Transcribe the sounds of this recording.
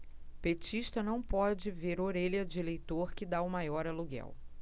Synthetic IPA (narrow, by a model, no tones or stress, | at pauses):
pet͡ʃiʃt̪ɐnɐ̃w̃pɔd͡ʒɪveɾoɾeʎɐd͡ʒɪlejt̪oɾkɪd̪aʊmajɔɾɐluɡɛ̰w